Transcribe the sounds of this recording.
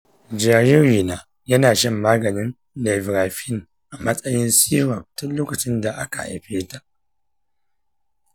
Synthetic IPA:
d͡ʒaː˨jɪ˦ɾiː˨naː˨ | jɐ˦naː˨ʃɐ˦˨mːaː˦ɡɐ˨nɪ˦n | le˨vɾaː˨ɸɪ˦˨ŋ | ʔa˨mɐ˦sʼɐ˦jɪ˦nsiː˦ɾa˨b̚tʊ˦nloː˦kɐ˨t͡ʃɪ˦nda˨ʔa˦ka̰˨ʔa̰˨jɸeː˦ta˨ʔ

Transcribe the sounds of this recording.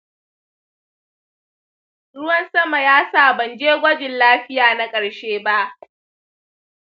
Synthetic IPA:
ɽʊ˦wɐ˦nsɐ˦ma˨jaː˦saː˦˨bɐ˨nd͡ʒeː˦ɡʷɐ˦d͡ʒɪ˨nlaː˦ɸɪ˦jaː˨na˦kʼɐ˨ɽʃeː˦ba˦ʔ

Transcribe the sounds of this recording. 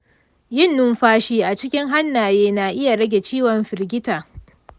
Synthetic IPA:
jɪ˦nːʊ˦mɸaː˦ʃiː˦ʔa˨t͡ʃɪ˦kʲɪ˦ŋɦa˦nːaː˨jeː˦na˨ʔɪ˦ja˨ɽɐ˦ɡʲe˨t͡ʃiː˦wɔ˨mɸɪ˨rɡʲɪ˦taː˨

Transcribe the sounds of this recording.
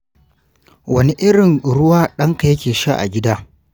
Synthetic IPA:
wɐ˦ni˦ʔɪ˦ɽɪ˨ŋɽʊ˦waː˦ɗɐ˦ŋka˨jɐ˦kʲeː˨ʃa̰˦ʔa̰˨ɡʲɪ˦daː˦

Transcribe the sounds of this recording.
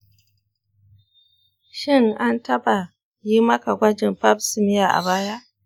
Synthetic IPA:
ʃɪ˦ŋʔa˦ntɐ˦ba˨ | jiː˦mɐ˦ka˨ɡʷɐ˦d͡ʒɪ˨mɸa˦bsɪ˨mɪ˦ja˨ʔa̰˨baː˦ja˦ʔ

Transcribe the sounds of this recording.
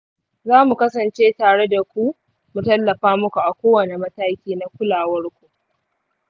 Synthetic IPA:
zaː˦mu˨kɐ˦sɐ˨nt͡ʃeː˦taː˨ɽe˦da˨kʷu˦ | mu˨tɐ˦lːɐ˨ɸaː˦mʊ˦kʷu˨ʔa˨kʷoː˦wɐ˨ne˨mɐ˦taː˦kʲiː˦na˦kʷʊ˦laː˨wɐ˦rkʷu˨ʔ

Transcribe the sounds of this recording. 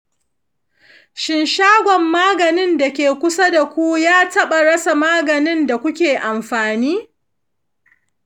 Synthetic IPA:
ʃɪ˨nʃaː˦ɡʷɔ˨mːaː˦ɡɐ˨nɪ˦nda˨kʲeː˨kʷʊ˦sa˦da˨kʷu˦jaː˦tɐ˦ɓa˨ɽɐ˦sa˨maː˦ɡɐ˨nɪ˦nda˨kʷʊ˦kʲeː˨ʔa˨mɸaː˨niː˦

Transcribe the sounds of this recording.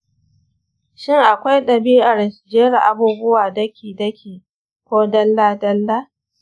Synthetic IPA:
ʃɪ˦˨ŋʔa˨kʷa˦jɗɐ˨biː˦ʔa˨rsd͡ʒe˦ɽa˨ʔa˨buː˦bʊ˦waː˨dɐ˦kʲiː˨dɐ˦kʲʰiː˨ | kʷoː˦dɐ˦lːaː˦dɐ˦lːa˦

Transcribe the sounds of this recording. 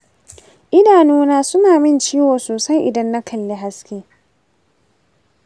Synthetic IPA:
ʔɪ˦daː˨nuː˦naː˦sʊ˦naː˨mɪ˦˨nt͡ʃiː˦woː˨soː˨sɐ˦jʔɪ˨dɐ˦nːa˦kʰɐ˨lːe˦ɦa˦skʲeː˦

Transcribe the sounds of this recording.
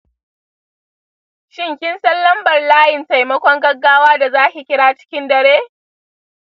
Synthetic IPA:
ʃɪ˦ŋkʲɪ˦nsɐ˦lːɐ˦mbɐ˨rlaː˦jɪ˨nta˨jmɐ˦kʷɔ˦ŋɡɐ˦ɡːaː˦waː˦da˨zaː˦kʲi˨kʲɪ˦ɽaː˦t͡ʃɪ̥˦kʲɪ˦ndɐ˨ɽeː˦

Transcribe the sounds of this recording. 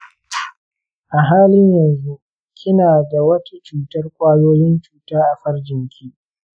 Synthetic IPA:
ʔa˨ɦaː˦lɪ˦ɲjɐ˨nzu˦ʔ | kʲʰɪ˦naː˨da˨wɐ˦tʰa˦t͡ʃuː˨tɐ˦rkʷʼaː˦joː˦jɪ˦nt͡ʃuː˨taː˦ʔa˨ɸɐ˦rd͡ʒɪ˨ŋkʲiː˦

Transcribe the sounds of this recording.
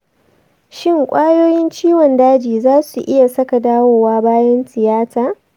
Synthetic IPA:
ʃɪ˦˨ŋkʷʼaː˦joː˦jɪ˦nt͡ʃiː˦wɔ˨ndaː˦d͡ʒiː˨zaː˦su˨ʔɪ˦ja˨sɐ˦ka˨daː˦woː˨waː˦baː˦jɛ˦nsɪ˨jaː˦saː˨

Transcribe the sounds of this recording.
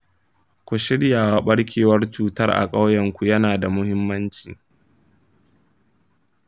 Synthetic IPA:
kʷʊ˨ʃɪ˦ɽjaː˨waː˦ɓɐ˦ɽkʲʰeː˨wɐ˦rt͡ʃuː˨tɐ˦rʔa̰˨kʼa˦wjɐ˨ŋkʷu˨jɐ˦naː˨da˨mʊ˦hɪ˦mːɐ˦nt͡ʃḭː˨

